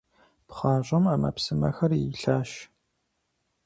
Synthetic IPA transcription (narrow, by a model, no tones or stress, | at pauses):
pχɑːʑʷʼɐmaːmɐ̰psɨmɐ̰xɐriɬaːʃ